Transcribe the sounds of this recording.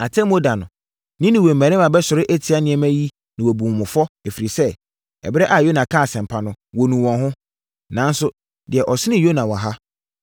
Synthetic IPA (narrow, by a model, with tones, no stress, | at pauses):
a˨tʰɛ̃˦m˦o˦da˨nʊ̃˨ | nɪ̃˦nɪ̃˨we˨m˨mæ̃˨ɾɪ̃˦mã˨bɛ˦sʊ˨ɾɪ˦ʔæ˦tʰi˨a˦nɪ̃˨ɛ˦mæ̃˦ji˦ | nɪ̃˨wɔ˨bũ˨mʊ̃˨fɔ˦ɛ˨fi˨ɾi˨sɛ˦ | ɛ̰˨bɪ˦ɾɛ˦ʔa˨jo˦nã˨kʰa˦˨sɛ̃˨m˨pʰa˨nʊ̃˦wo˨nũ˨wɔ̃˨nɦʊ̃˦ | nã˨˦n̩˦sʊ˦ | dɪ˨ɛ˨ʔɔ˨sɪ˦nɪ̃˦˨jo˦nã˨wa˨ɦa˦